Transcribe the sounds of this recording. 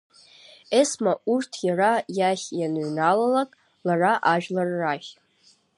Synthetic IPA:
esmaʔurtʰjarajaχʲjanɥnalalakʼ | laraʔaʒᶣlarːaχʲ

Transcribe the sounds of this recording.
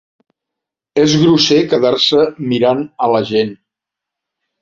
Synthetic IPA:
ezɣɾusekəðaɾsəmiɾanələʒen

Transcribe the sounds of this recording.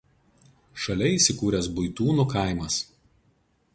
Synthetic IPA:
ʃɐlʲɛiːˑsʲɪkuːɾʲɛsbʊɪt̪uːnukɐˑɪmɐs

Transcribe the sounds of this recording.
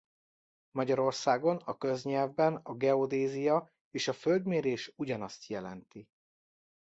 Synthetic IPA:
mɒɟɒɾo̞rsaːɡo̞nɒkøzɲɛlvbɛnɒɡɛod̪eːzijɒ | eːʃɒføld̪meːɾeːʃuɟɒnɒst̪jɛlɛ̰nt̪i

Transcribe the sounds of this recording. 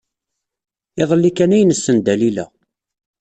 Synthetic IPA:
ɪðˤəlːikænæjənəsːənd̪ælilæ̰

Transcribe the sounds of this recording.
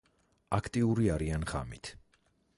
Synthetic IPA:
akʰt̪ʼiuɾiaɾianχa̰mit̪ʰ

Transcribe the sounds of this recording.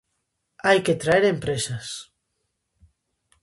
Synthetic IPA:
ajket̪ɾaeɾempɾesas

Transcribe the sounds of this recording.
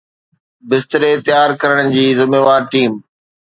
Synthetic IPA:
bɪst̪ɪɾet̪ɪjaːɾkɐɾəɽ̃d͡ʑiːzɪmeːʋaːɾʈiːm

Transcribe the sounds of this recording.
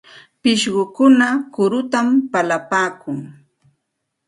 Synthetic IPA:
pɪʃɢʊkʊnakʊɾʊt̪ampalapaːkʊŋ

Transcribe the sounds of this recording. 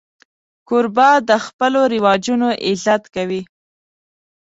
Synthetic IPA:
kʊɾbɑd̪əxpəloɾɪwɑd͡ʒunoʔɪzat̪kawi

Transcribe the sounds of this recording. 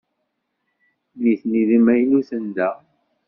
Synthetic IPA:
liθniðəmæjnuθənd̪æ

